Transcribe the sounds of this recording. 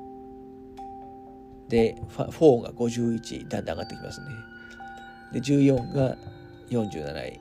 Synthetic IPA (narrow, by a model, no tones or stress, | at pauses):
d̪e̞ɸaɸo̞ːŋɡa̰ɡo̞ʑɨːit͡ɕḭd̪ãnd̪ãɡat̪ːe̞kʲimʔa̰sɨne̞ | d̪e̞d͡ʑɨːjõ̞ŋɡa | jõ̞ɲ̟d͡ʑɨ̰ːnana̰ḭ